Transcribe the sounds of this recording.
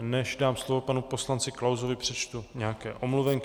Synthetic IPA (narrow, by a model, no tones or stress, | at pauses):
nɛʒdaːmslovo̞panupo̞slant͡sɪklawzovɪpr̝̥ɛt͡ʃt̪uɲɛakɛ̰ːʔo̞mluvɛŋk